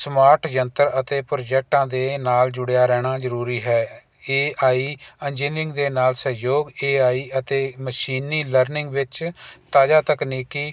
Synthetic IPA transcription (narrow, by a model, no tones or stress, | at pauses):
smaːɾʈd͡ʒənt̪əɾət̪eːpɾoːd͡ʒɛːk̚ʈãːd̪eːnaːld͡ʒʊɽejaːɾɛːɽ̃aːzəɾuːɾiːɦɛː | eːaːiːɛnd͡ʒiːnɾɪ̃ŋɡd̪eːnaːlsəɦjoːɡeːaːiːʔət̪eːməʃiːniːləɾnɪŋɡʋɪt͡ʃt̪aːd͡ʒaːt̪əkniːkiː